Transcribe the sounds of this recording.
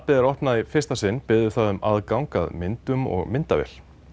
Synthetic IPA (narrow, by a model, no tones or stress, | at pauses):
pɪðɪɾɔhpnaðifɪr̥st̪asɪnːpɪðʏθaðʏmaðkawŋka̰ðmɪnt̪ʏmɔ̰ɣmɪnt̪avɛ̰l